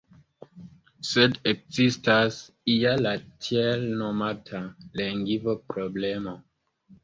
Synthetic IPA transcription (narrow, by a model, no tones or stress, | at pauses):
sɛdekzistas | ijalatʰjelnomatʰaleŋɡivopɾoblemo